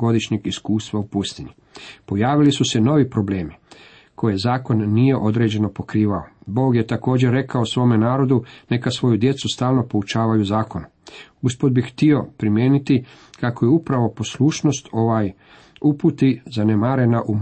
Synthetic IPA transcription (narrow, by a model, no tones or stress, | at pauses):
ɡo̞d̪iʃɲeɡiskuːst̪ʋaupust̪ini | po̞jaːʋilisuse̞no̞ʋipɾo̞ble̞ːmi | kʰo̞jezaːko̞nːije̞ʔo̞d̪ɾe̞d͡ʑe̞no̞po̞kɾiːʋaobo̞ːɡje̞t̪ako̞ːd͡ʑe̞ɾːe̞kaosʋo̞ːme̞naːɾo̞d̪une̞kasʋo̞jud̪je̞t̪sust̪aːlno̞po̞ut͡ʃaːʋajuzaːko̞nu | uspod̪bixht̪io̞pɾimjeːnit̪i | kako̞jeupɾaʋo̞po̞slˠuːʃno̞st̪ʰo̞ʋaj | uput̪izanemaɾe̞naʔu